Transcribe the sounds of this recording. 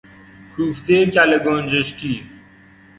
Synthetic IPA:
kʰuːft̪eːkaleɡond͡ʒeʃkiː

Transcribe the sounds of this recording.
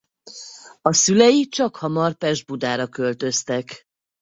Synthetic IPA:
ɒsylɛjit͡ʃɒkhɒmɒrpɛʒd̪̚bud̪aːɾɒkø̞lt̪ø̞st̪ɛk

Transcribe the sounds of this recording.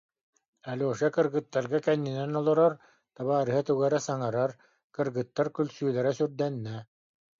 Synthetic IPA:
ɛlʲoːʃɛkɯɾɡɯt̪ːaɾɡakɛnːinɛnɔlˠɔɾɔɾ | t̪aβaːɾɯɦat̪uɡɛɾɛsaŋaɾaɾ | kɯɾɡɯt̪ːaɾkylʲsyːlɛɾɛsyɾd̪ɛnːɛ

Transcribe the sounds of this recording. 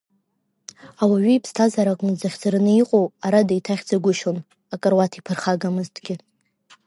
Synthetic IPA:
awaɥiipʰstʰazaɾakʼnɨd͡zaχʲd͡zarɨnɨiqʼowaɾadaitʰaχʲd͡zaɡʷʊʃon | akʼɨrwatʰipʰɨrχaɡamɨztʰɡʲɪ

